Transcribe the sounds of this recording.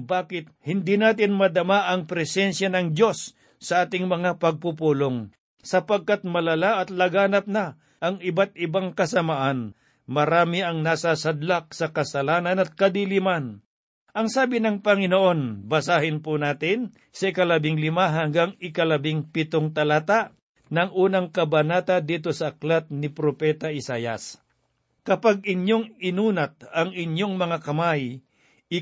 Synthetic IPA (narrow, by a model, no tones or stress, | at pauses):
baːkɪt̪̚hɪnd̪inaːt̪̬ɪnmɐd̪ɐmaʔɐŋpɾɛsɛnsjanɐŋd̪jo̞sː | ɐʔaːt̪ɪŋmɐŋapɐɡ̚pupuːloŋ | sɐpɐɡ̚kat̪̚mɐlɐlaʔɐt̪lɐɡaːnɐp̚nɐ | ʔɐŋɪbat̪̚ɪbaŋkɐsɐmaʔan | mɐɾaːmɪɐŋnasasɐd̪lak̚sɐkɐsɐlaːnɐnɐt̪̚kɐd̪iliman | ʔɐŋsaːbɪnɐŋpɐŋɪnoʔo̞nbɐsaːhɪnpunaːt̪ɪn | sɐɪkɐlɐbɪŋlɪmaɦɐŋɡaŋɪkɐlɐbɪŋpɪt̪oŋt̪ɐlat̪aʔ | nɐŋʔuːnɐŋkɐbɐnaːt̪ad̪iːt̪̬o̞sɐːklat̪̚nɪpɾopɛːt̪aʔɪsaːjɐ̰s | kɐpaɡ̚ɪɲjoŋɪnuːnɐt̪̚ɐŋɪɲjoŋmɐŋakɐmaj | ɪ